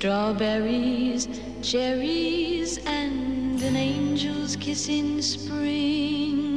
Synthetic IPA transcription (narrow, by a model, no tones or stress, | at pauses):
d̥ɹɔbɛɹiz̥ | d͡ʒɛɹizɨ̃nɨ̃nẽɪ̃nd͡ʒəl̩ˠz̥kʰɪsɪ̃ŋspɹɪ̃ŋ